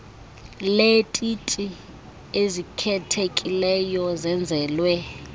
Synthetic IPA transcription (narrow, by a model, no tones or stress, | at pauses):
letʼitʼi | ezikʰɛtʰekʼilɛjɔzɛnd͡zʱɛːlwɛ